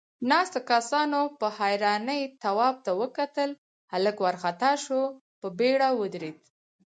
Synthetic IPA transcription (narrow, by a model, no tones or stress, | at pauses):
nɑst̪akasɑnopəhajɾɑnəjt̪awɑb̚t̪awəkat̪əl | haləkwaɾxat̪ɑʃo | pəbeɽawəd̪ɾed̪